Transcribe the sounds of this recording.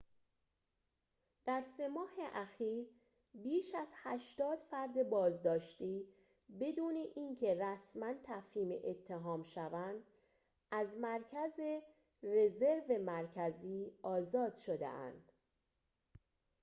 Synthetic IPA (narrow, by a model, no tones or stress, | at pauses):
d̪̥æɾse̞mɒːheʔæxiːɾ | biːʃæzhæʃt̪ɒːd̪̥fæɾd̪e̞bɒːzd̪ɒːʃt̪iː | be̞d̪uːne̞ʔiːncʰe̞ræsmænt̪ʰæfhiːmḛʔet̪ʰːe̞ɦɒːmʃævænd̪̥ | ʔæzmæɾcʰæze | re̞ze̞ɾve̞mæɾcʰæziːɒːzɒːd̪̥ʃo̞d̪ḛʔæ̰nd̪̥